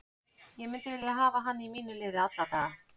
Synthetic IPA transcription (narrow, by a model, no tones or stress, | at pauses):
jɛmɪnt̪ɪvɪliaɦaːvaɦanːimiːnʏlɪːðɪat̪lat̪a